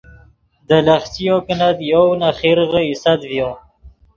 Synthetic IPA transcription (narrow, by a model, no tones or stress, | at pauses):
d̪əlaχsijokənad̪jownaχiɾɣəisad̪vjõ